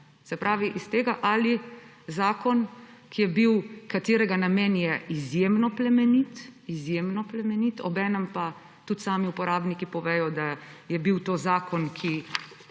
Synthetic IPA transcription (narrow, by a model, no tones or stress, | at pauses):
sɛpɾʔaːʋiʔist̪eːɡaʔali | zaːkɔnkijɛbiwkat̪eːɾɛɡanameːnjɛizjeːmnɔplɛmɛnit̪izjeːmnɔplɛmɛnit̪ɔbɛːnəmpa | t̪ut̪saːmiupɔɾaːbnikipɔʋɛːjɔd̪ajɛbiwt̪oːzaːkɔnkʰi